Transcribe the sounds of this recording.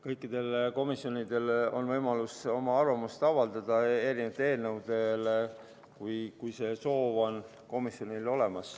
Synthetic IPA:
kɤjkːˑid̪̥e̞lko̞misːjo̞nid̪̥e̞lo̞̰nvɤjmɑluso̞mɑɑrvɑmust̪ɑvɑld̪̥ɑd̪̥ɑeɾinət̪ːee̞ːlnəwd̪̥e̞l | kujkujse̞so̞ːvo̞n | ko̞misjo̞nilo̞le̞mɑs

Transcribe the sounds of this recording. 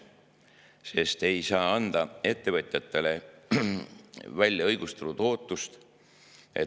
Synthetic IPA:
se̞st̪e̞jsɑːɑnd̪̥ɑe̞t̪ːe̞vɤ̞t̪ʲjɑt̪ˑːe̞le̞ | vælʲjɑɤjɡ̥ust̪elut̪o̞ːt̪ːˑust̪ | e̞̰

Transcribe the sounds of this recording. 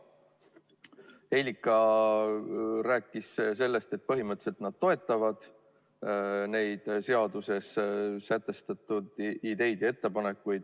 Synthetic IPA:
e̞jlʲikːˑɑ | ɾæːkːˑisse̞lːe̞st̪e̞t̪̚pɤɦimɤt̪se̞lt̪nɑd̪̥̚t̪o̞e̞t̪ˑːɑvɑd̪̥ | ne̞jd̪̥se̞ɑd̪̥use̞ssæt̪ːˑe̞st̪ɑt̪ːˑud̪̥id̪e̞jd̪̥e̞t̪ːe̞pɑne̞kːujd̪̥

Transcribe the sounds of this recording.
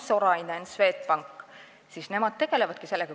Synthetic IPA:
soɾɑinensve̞ːt̪pɑŋkːˑ | siːsne̞mɑd̪̚t̪e̞ɡ̥e̞levɑd̪̥̚kise̞lːeɡ̥ɑ

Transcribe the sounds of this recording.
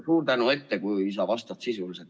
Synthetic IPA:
suːrt̪ænue̞t̪ːe̞kujisɑvɑst̪ɑt̪sisuliset̪

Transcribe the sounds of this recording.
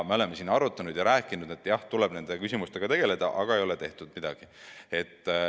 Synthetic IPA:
meole̞mːesiːnːɑɾut̪ːˑɑnud̪jɑɾæːkːˑinud̪e̞t̪ːˑjɑht̪ulɛb̥ne̞nd̪ekysʲimust̪e̞ɡ̥ɑt̪e̞ɡ̥e̞le̞d̪̥ɑ̰ʔɑɡ̥ɑe̞jo̞let̪e̞ht̪ud̪̥̚mid̪ɑɡ̥ie̞t̪ː

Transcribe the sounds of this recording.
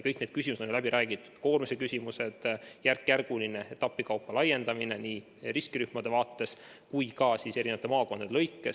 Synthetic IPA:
kɤjkned̪̥̚kys̬ʲimuse̥onjlæbiɾʔæːɡ̥it̪ːˑu̥d̪̥ko̞ːrmisekysʲimuse̞d̪̥jærkːjærɡ̥uline̞et̪ːɑpːˑikɑwpːɑlɑjːe̞nd̪̥ɑmine̞niː | riskiɾyhmɑd̪̥e̞vɑːt̪ːe̞s | kujkɑsise̞ɾineɑt̪emɑːko̞nd̪̥ɑd̪elɤ̞jkːˑe

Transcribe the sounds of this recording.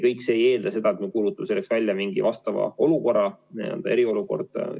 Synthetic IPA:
kɤjkˑseːje̞ːld̪ɑse̞d̪̥ɑe̞t̪mekuːlut̪ːˑɑ̥se̞lːeksvælʲːjɑmiŋɡivɑst̪ɑvɑ̰o̞luko̞rɑniḛld̪̥ɑe̞ɾio̞luko̞̰rd̪̥ɑ̰

